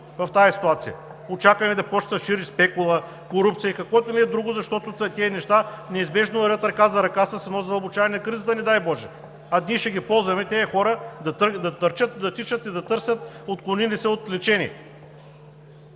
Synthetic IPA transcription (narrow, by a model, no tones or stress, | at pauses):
vɐft̪ajɐsi̥t̪uat̪sijɐ̰ | ot͡ʃakɐnɛd̪ɐpɔt͡ʃt̪ɐʃiɾispɛkʊlˠɐ | koɾupt̪sijəikɐkvɔɛt̪onɛɛd̪ɾuɡʊzɐʃt̪ɔt̪ʊt̪t̪ʲɛːnɛʃt̪anɛizbɛʒnoɐɾət̪ɾɐkazɐɾɐkasɐsɐnɔzɐbʊt͡ʃavɐnʲɛnɐkɾizət̪ɐnɛd̪ajbɔʒɛ | ɐd̪niʃɛɡʲipɔlˠzvɐmɛt̪ʲɛːxɔɾəd̪ɐt̪d̪ɐt̪əɾt͡ʃət̪d̪ɐt̪it͡ʃət̪id̪ɐt̪ɤɾsʲjət̪ot̪klˠonilisɛot̪lɛt͡ʃɛnʲḭɛ̰